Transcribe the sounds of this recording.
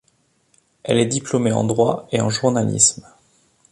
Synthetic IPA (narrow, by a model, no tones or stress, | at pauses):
ɛ̰lɛd̪iplɔmeɑ̰̃d̪ʁwaeɑ̰̃ʒuʁnalḭsm